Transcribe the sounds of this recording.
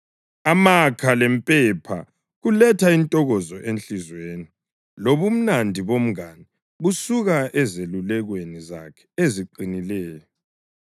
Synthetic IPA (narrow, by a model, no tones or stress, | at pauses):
amakʰalɛmpʼɛpʰa̰ | ɣulɛtʰaintʼɔɣɔzɔʔent͡ɬizweːni | loβum̩nandʱiβom̩ɣani | βusuɣaʔɛzelulɛɣweniza̰kʰɛ̥eziǃinilɛːjɔ